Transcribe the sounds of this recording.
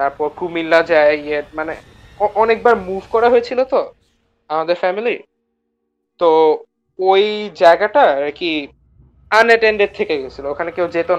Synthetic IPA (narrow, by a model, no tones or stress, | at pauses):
t̪aɾpɔɾkumilːad͡ʑaeiemane | ɔʔɔnek̚baɾmuvkɔɾaɦoet͡ɕʰilot̪o | amad̪eɾfɛmili | t̪o | ojd͡ʑaeɡaʈaaki | aneʈeɳɖeɖ̚t̪ʰekeɦoet͡ɕʰilookʰanekewd͡ʑet̪o